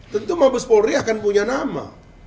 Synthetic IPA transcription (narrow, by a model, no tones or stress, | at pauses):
t̪ənt̪umabəspoɾiakanpuɲanama̰